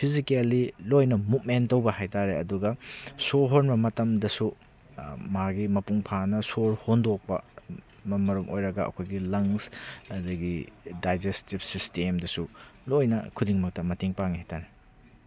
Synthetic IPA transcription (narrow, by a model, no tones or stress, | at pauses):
pʰizikelilojnɐmut̚mentɐwbɐhajtaɾeɐduɡɐsoɦonmɐmɐtɐmdɐsu | maɡimɐpuŋpʰanɐsoɾhondok̚pɐ̰ | mɐmɐɾumʔojɾɐɡɐɐ̰kʰojɡilɐŋsɐdɐɡidajd͡ʒestip̚sistemdɐsulojnɐ̰kʰudiŋmɐk̚tɐmɐtiŋpaŋihajtaɾe